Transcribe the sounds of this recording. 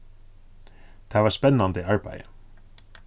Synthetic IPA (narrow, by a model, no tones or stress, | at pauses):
t̪ʰavaɾspɛnːant̪əiaɹba̰jə̰